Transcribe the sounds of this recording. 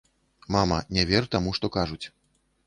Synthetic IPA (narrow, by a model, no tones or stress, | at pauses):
mamɐnʲɛvʲɛɾt̪amuʂt̪ɔkaʐut͡sʲ